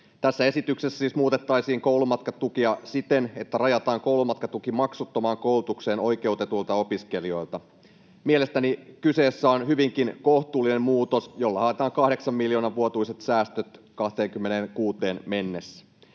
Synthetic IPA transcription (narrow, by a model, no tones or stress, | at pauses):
t̪æsːæe̞sit̪yksesːæsiːsmuːt̪e̞t̪ːɑjsiːŋko̞ulumɑt̪kɑt̪ukiɑsit̪enet̪ːærɑjɑt̪ɑːŋko̞wlumɑt̪kɑt̪ukimɑksut̪ːomɑːŋkowlut̪ukse̞ːno̞jke̞ut̪e̞t̪ult̪ɑo̞piske̞lio̞jlt̪ɑ | miele̞st̪ænikyse̞ːsːæonɦyʋiŋkinkoht̪uːlːinemmuːt̪o̞sjo̞lːɑhɑet̪ɑːŋkɑhde̞ksɑmːiljo̞ːnɑʋʋuot̪uise̞t̪sæːst̪øt̪ | kɑht̪e̞ːŋkymːenenkuːt̪e̞ːnme̞nːesːæ̥